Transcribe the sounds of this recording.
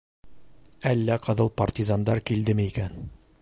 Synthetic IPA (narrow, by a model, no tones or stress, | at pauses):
ælːæqɤ̆ðɤlˠpɐrtʲizand̪ɑɾkild̪ɘmɘikæn